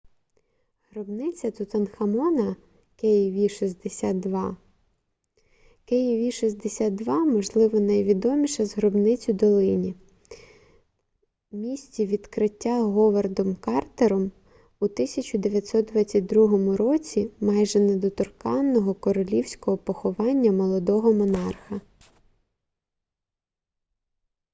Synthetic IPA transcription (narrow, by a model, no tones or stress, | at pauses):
ɦɾɔbnɪt͡sʲɐt̪ʊt̪ɐnxɐmɔnɐ | kɛjiʋʲiʃizd̪esʲat̪̚d̪ʋɑ | kɛjiʋʲiʃizd̪esʲat̪̚d̪ʋɑmɔʒlˠɪʋɔnɐjʋʲid̪ɔmʲiʃɐzɦɾɔbnɪt͡sʲʊd̪ɔlˠɪnʲi | mʲisʲtʲiʋʲid̪kɾɪtʲːaɦɔʋɐrd̪ɔmkɑrt̪eɾɔm | ut̪ɪsʲɐt͡ʃʊd̪eʋʲjɐt̪ʲsɔt̪̚d̪ʋɑt͡sʲɐt̚ʲd̪ɾuɦɔmʊɾɔt͡sʲimɑjʒɛnɐd̪ɔt̪ɔrkɑnːɔɦɔkɔɾɔlʲiwsʲkɔɦɔpɔxɔʋɑnʲːɐmɔlˠɔd̪ɔɦɔmɔnɑrxɐ